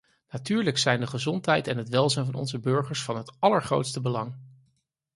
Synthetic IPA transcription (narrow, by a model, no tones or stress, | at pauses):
natyːɹləksɛjndəχəzɔntɦɛjtɛnɦətʋɛlˠzɛjnvɑnɔ̰nzəbøɹχəɹsfɑnɦətɑləɹχro̰wtstəbəlɑŋ